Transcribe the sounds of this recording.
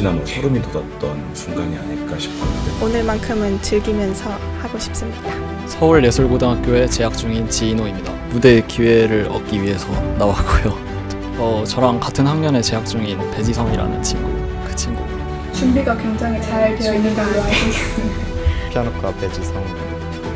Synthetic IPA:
inamʌsʰʌɾɯmitodʌt̚t͈ʌn | suŋɡaŋia̰ɲiɭk͈aɕʰi̥p̚t͈ʰanɯdeonɯɭmankʰɯmɯntɯɭɡimjʌnsʰʌhaɡoɕʰi̥p̚s͈ɯmɲida | sʰʌuɭje̞sʰuɭɡodɯŋɦak͈joe̞t͡ɕe̞ɦak̚t͡ɕ͈uŋint͡ɕiːnoimɲida̰mude̞kiwe̞ɾɯɾʌ̰k͈iɥiɦe̞sʰʌnawak͈ojo | ʌt͡ɕʌɾaŋkatʰɯnhaŋmʌne̞t͡ɕe̞ɦak̚t͡ɕ͈uŋinpe̞d͡ʑisʰʌŋiɾa̰nɯ̰nt͡ɕʰimɡu | kɯ̥t͡ɕʰimɡu | t͡ɕumbiɡakwe̞ŋd͡ʑaŋɦit͡ɕaɭte̞jʌinːɯndaɡɾoɦaesiɯepʰjanok͈ʰwape̞d͡ʑisʰʌŋ

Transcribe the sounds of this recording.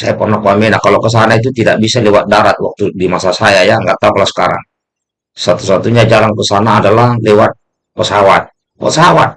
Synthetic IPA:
sajapɔrnakuamɛnakalɔkəs̬anait̪̬ut̪idaʔbisalɛwat̪̚daɾat̪̚wak̚t̪udimasasajajaŋɡaʔt̪auklasə̥kaɾa̰ŋ | sat̪u̥sat̪uɲad͡ʒalaŋkəsanaːdalahlɛwat̪̚ | pɔsawat̪̚ | pɔ̰sawat̪̚

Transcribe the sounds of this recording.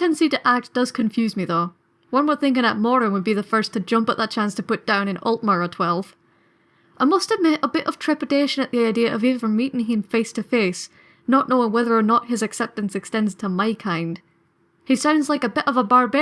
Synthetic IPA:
kɛ̃nsiɾɨʔak̚d̥ʌz̥kʰɨ̃ɱfjʉzmiðoʊ | wʌ̃nwəd̪̚θɪ̃ŋkɪ̃ŋəʔ̚mɔɹɪ̃ŋwəd̚biðəfɜ˞stʰɨd͡ʒʌ̃mpət̪ʔ̪̚ðət̚t͡ʃʰæ̃nstʰəpʊt̚d̥ãʊ̃ñɨ̃nɔ̰lˠʔmə˞ə˞tʰw̥ɛlˠv̥ | ʔaɪmʌst̚ɨvmɛɾʔəbɪɾʔʌ̰v̥tʰɹ̥ɛpɨdeʃɨ̃nɨʔ̪ðiaɪdiɨʔʌviə̃˞mːiʔɪ̃ŋɪ̃nfeɪstʰɨfes | nəʔⁿnoʊɪ̃ŋwɛðə˞ːnəʔ̚hɨzɨksɛp̚tɨ̃n̩sɨkstɛ̃ndz̥tʰəmaɪkʰãɪ̃nd̥ | hisãʊ̃ndz̥laɪkɨbɪɾʔʌvəbaɹbɛ

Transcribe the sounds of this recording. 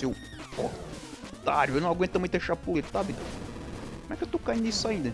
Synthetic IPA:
ew | ɔ | t̪aɾʊewnɐ̃w̃aɡwẽt̪ɐmũt̪d̪eʃaɾpulet̪t̪abɪd̪ | kõmɛkewt̪okaĩnd̪isʊaĩnd̪ɐ

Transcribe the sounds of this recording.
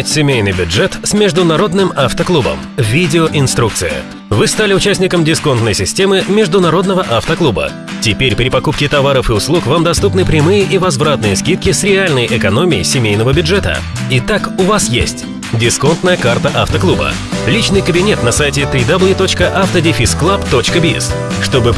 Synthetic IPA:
tʲsʲɪmʲejnɨjbʲʊdʐɛt̪smʲɪʐd̪ʊnɐɾo̞d̪nɨmaft̪əklˠubə̰m | vʲidʲɪoʔɪnst̪ɾuk̪̚sɨjə̰ | vɨst̪alʲɪʊt͡ɕæsʲnʲɪkəmdʲɪsko̞nt̪nəjsʲɪsʲtʲe̞mɨmʲɪʐd̪ʊnɐɾo̞d̪nəvəʔaft̪əklˠubə̰ | tʲɪpʲeɾʲpɾʲɪpɐkup̚kʲɪt̪ɐvaɾəfɨʊslˠukvamd̪ɐst̪upnɨpɾʲɪmɨjəʔivɐzvɾat̪nɨjəskʲit̪kʲɪsɾʲɪalʲnəjʔɪkɐno̞mʲɪɪ̰sʲɪmʲejnəvəbʲʊdʐɛt̪ə̰ | ɪt̪akʊvasjḛsʲtʲ | dʲɪsko̞nt̪nəjəkart̪əʔaft̪əklˠubə̰ | lʲit͡ɕnɨjkəbʲɪnʲet̪nɐsajtʲɪt̪ɾʲid̪ɐblˠjt̪o̞t͡ɕkəʔaft̪ədʲɪfʲisklˠapt̪o̞t͡ɕkəbʲɪɛ̰s | ʂt̪o̞bɨ

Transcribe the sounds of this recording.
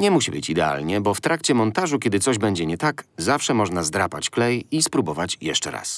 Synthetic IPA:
ɲɛmuɕibɘt͡ɕid̪ɛa̰lɲɛbɔft̪ɾakt͡ɕɛmɔnt̪aʐukʲɛd̪ɘt̪sɔʑbɛɲd͡ʑɛɲɛt̪akzafʂɛmɔʐnazd̪ɾapat͡ɕklɛjispɾubɔvat͡ɕjɛ̰ʂt͡ʂɛ̰ɾa̰s

